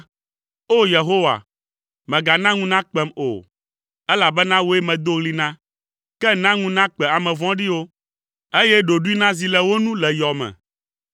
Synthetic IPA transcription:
o˦je˨ɦo˦wa̰˨ | mɛ̃˨ɡa˨nã˦ŋũ˦nã˦k͡pɛ˨mo̰˨ | ɛ˦la˨bɛ˦nã˦wo˦e˦mɛ̃˨d̪o˦ɣli˦nã˦ | kɛ˦nã˦ŋũ˦nã˦k͡pɛ˨a˨mɛ̃˨vɔ̃˦ɖi˦wo˦ | e˦jɛ˦ɖo˨ɖu˦i˦nã˦zi˨lɛ˨wo˦nũ˦lɛ˨jɔ˨mɛ̰̃˨

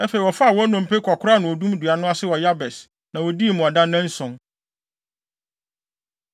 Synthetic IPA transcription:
ɛ˦fe˨i˨wɔ˨fa˦˨wɔ˦nʊ̃˨m˨pʰe˦kʰɔ˨kʰʊ˦ɾa˦nʊ̃˨ɔ˨dũ˦m˦du˨a˨nʊ̃˦a˦sɪ˦wɔ˨ja˦bɛ˨s | nã˨wɔ˨di˦e˨mʊ̃˨a˨dã˦nɛ̃˦n̩˦sɔ̃˨ŋ

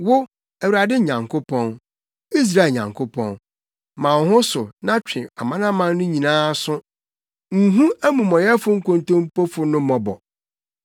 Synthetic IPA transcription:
wʊ˦ | æ˨wu˨ɾa˨dɪ˦ɲã˨ŋkʰo˦pʰɔ̃˦n | i˦s̬ɾa˦e˨ɲã̰˨ŋkʰʊ˦pʰɔ̰̃˦n | mã˨˦hʊ̃˦sʊ˨nã˦t͡ɕᶣʰɪ̃˨a˨mã˦nã˦mã˦nːʊ̃˦ɲĩ˨nãː˦sʊ̃˦ | ŋ̩˨ɦũ˦æ˦mũ˨mɔ̃˨jɛ˦fʊ˦ŋ̩˦kʰõ˨ntõ˦m˦po˦fʊ˦nʊ̃˦mɔ̃˨bɔ̰˨

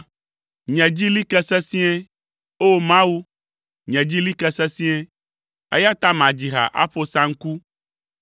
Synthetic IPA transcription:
ɲɛ̃˨d͡ʑi˦li˦kɛ˦sɛ˦si˦ɛ˦ | o˦mã˦wu˦ | ɲɛ̃˨d͡ʑi˦li˦kɛ˦˨sɛ˦sĩ˦ɛ˦ | ɛ̰˦ja˦t̪a˦mã˨d͡ʑi˨ɦa̰˨ʔa̰˦ɸo˦sã˦ŋ̩˦ku˦

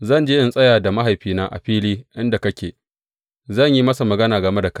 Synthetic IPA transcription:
zɐ˦˨nd͡ʒeː˦ʔɪ˦nsʼɐ˦jaː˨da˨ma˦ɦa˨jɸiː˦naː˦ʔa̰˨ɸiː˦liː˦ʔɪ˦nda˨kɐ˦kʲeː˨ | zɐ˦˨ɲji˦mɐ˦sa˨mɐ˨ɡɐ˦naː˨ɡɐ˨me˦da˨kɐ˦

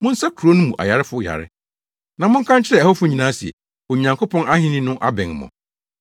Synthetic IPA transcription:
mʊ̃˦n̩˦sa˦kʰu˨ɾo˦nũ˦mũ˨ʔa̰˨ja˨ɾɪ˦fʊ˦ja̰˨ɾɪ̰˦ | nã˨mʊ̃˦ŋ̩˦kʰã˦ɲt͡ɕʰɪ˦ɾɛ˦˨hɔ˦fʊ˦ɲĩ˨nãː˦si˨ɛ̰˨ | o˨ɲã˨ŋkʰo˦pʰɔ̃˦na˦hɪ̃˦nɪ̃˦nʊ̃˦ʔa˦bɛ̃˨n˨mɔ̰̃˨

